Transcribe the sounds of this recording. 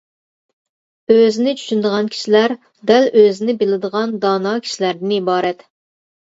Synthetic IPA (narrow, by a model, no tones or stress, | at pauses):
øzɪnɪt͡ʃʰy̥ʃynd̪əʁɑnkʲʰi̥ʃilæɾ | d̪æløzɪnɪbɪlɪd̪əʁɑnd̪ɑnɑkʲʰi̥ʃilæɾd̪ɪnibɑːɾɛt̪